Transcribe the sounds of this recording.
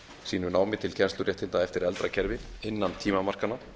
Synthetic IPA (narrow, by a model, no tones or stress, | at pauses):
siːnʏnaːwmɪt̪ʰɪlcʰɛnst̪ʏɾjɛht̪ʰɪnt̪aɛft̪ɪɾɛlt̪ɾacʰɛɾvɪɪnːant̪ʰiːmamar̥kana